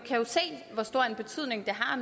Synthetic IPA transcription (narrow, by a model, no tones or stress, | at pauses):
kʰæjo̝se̝̰ːʋɒsd̥o̝ɐ̰enb̥e̝t͡sʰyð̞̰ˠne̝ŋd̥eɦɑ̈en